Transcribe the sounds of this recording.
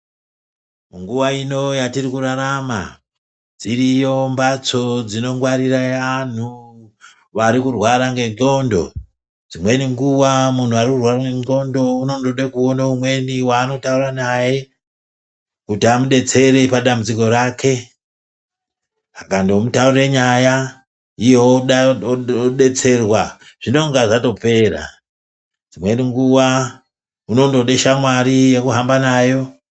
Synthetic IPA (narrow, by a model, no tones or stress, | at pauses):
uŋɡuʋaino̞jatirikuɾaɾama̰ | d͡zirijo̞mbat͡so̞d͡zino̞ŋɡwaɾiɾaan̤u | ʋaɾikurwaɾaŋɡe̞nɡo̞ndo̞̰ | d͡zimwe̞niŋɡuwamun̤uaɾikurwaɾaŋɡeno̞ndo̞uno̞ndoɗekuonaumwe̞niwaːno̞tauranaje̞ | kutiamuɗe̞t͡se̞ɾe̞paɗamut͡siko̞ɾakʰe̞ | akandomutauɾe̞ɲaja | ijeoɗa | ɗe̞t͡se̞rwa | ʐ̥ino̞ŋɡaʐato̞pe̞ːra̰ | d͡zimwe̞niŋɡuwa | uno̞ndo̞ɗe̞ʃamwaɾijekuɦambanaːjo̞